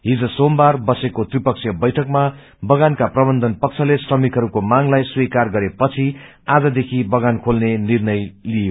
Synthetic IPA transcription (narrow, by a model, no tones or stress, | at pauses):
ɦid͡zʌsombarbʌsekot̪ripʌksʰjʌbʌjʈʰʌkma | bʌɡankaprʌbʌnd̪ʱʌnpʌk̚t͡sʰʌlesrʌmikɦʌɾukomaŋlajswikarɡʌɾepʌt͡sʰi | ad͡zʌd̪ekʰibʌɡankʰolnenirnʌjlijo